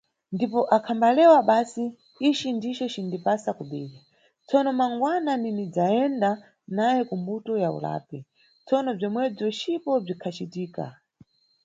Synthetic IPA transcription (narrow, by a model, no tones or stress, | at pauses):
ndipɔʔakʰambalɛwaɓaːsiː | t͡ʃindiʃɛt͡ʃindipasakuɓɛːɗa | t͡sɔnɔmaŋɡwananinid͡zaɛnda | najɛkumbutɔjaṵla̰ːpi | t͡sɔnɔb͡ʐimwɛb͡ʐɔt͡ʃipɔb͡ʐikʰat͡ʃitiːka̰